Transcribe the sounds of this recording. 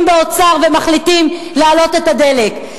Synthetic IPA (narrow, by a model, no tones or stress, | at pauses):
mbeot͡saʁvemaχlitim | laːlo̞t̪e̞t̪ad̪e̞le̞k